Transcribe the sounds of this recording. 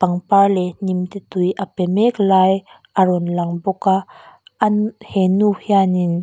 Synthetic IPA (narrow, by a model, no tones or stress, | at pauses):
paŋpalɛnimt̪it̪ujʔapɛmɛklaj | ʔaɾɔnlaŋbɔkaʔnhɛnuhjanin